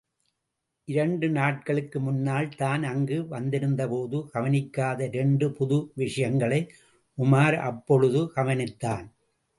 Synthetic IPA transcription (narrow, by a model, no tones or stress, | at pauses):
ʔɪɾɐɳɖɯnaːʈ̚kɐɭɯkːɯmʊnːaːlt̪aːnɐŋɡɯʋɐnd̪ɪɾɯnd̪ɐpoːðɯɡɐʋɐnɪkːaːðɐɪɾɛɳɖɯpʊðʊʋɪʂɐjɐŋɡɐɭɐɪ | ʔʊmaːɾʔɐ̰pːɔɻɯðɯkɐʋɐnɪt̪ːaːn